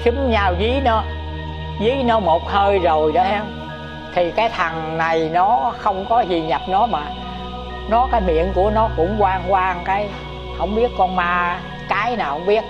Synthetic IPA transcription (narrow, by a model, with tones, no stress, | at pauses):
t͡ɕɨ˨˦mɲaː˧˩wzi˨˦nɔ˨˦ | zi˨˦nɔ˨˦mo˨˩t̚həː˧jzo˨˩jɗə˨˦ha˧m | t̪ʰi˨˩kaː˨˦jt̪ʰa˨˩ŋna˨˩jnɔ˨˦xə˧wŋ͡mkɔ˨˦zi˨˩ɲa˨˩p̚nɔ˨˦maː˨˩ | nɔ˨˦kaː˨˦jmḭ˧˨ənku˧˩ənɔ˨˦kʊ̰˧˥ŋ͡mkwaː˧nkwaː˧ŋkaː˨˦j | hə̰˧˩wŋ͡mɓi˦˥ət̚kɔ˧nmaː˧ | kaː˨˦jnaː˨˩hə̰˧˦wŋ͡mɓi˦˥ət̚